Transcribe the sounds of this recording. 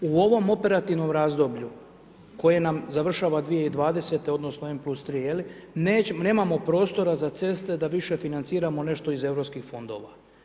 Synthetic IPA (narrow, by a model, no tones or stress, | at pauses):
uo̞ʋo̞mo̞pe̞ɾat̪iʋno̞mɾaːzd̪o̞bʎu | ko̞je̞namzaʋr̩ʃaʋad̪ʋije̞id̪ʋaːd̪e̞se̞t̪eo̞d̪no̞snoe̞mplˠust̪ɾiːje̞lineːne̞ːmamo̞pɾo̞ːst̪o̞ɾazat̪se̞st̪e̞d̪aʋiʃe̞finant̪siːɾamo̞ne̞ʃt̪o̞ize̞vɾo̞pskixfo̞nd̪o̞ʋa